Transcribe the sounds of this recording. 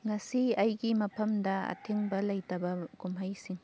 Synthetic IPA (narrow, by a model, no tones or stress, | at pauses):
ŋɐsiɐjɡimɐpʰɐmdɐɐ̰tʰiŋbɐlɐjtɐbɐɡumɦɐjsiŋ